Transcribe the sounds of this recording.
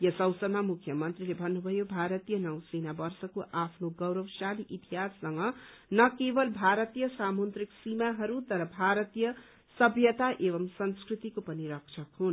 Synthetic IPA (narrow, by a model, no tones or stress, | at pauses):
jʌsʌwsʌmamukʰjʌmʌnt̪rilebʱʌnːubʱʌjobʱaɾʌt̪ijʌnʌw̃senabʌrsʌkoʔapʰnoɡʌwɾʌwsaliʔit̪iɦasːʌŋɡʌnʌkebʌlbʱaɾʌt̪ijʌsamont̪riksimaɦʌɾut̪ʌɾʌbʱaɾʌt̪ijʌ | sʌbʱjʌt̪aʔebʌmsʌnskrit̪ikopʌniɾʌkt͡ʃʰʌkɦun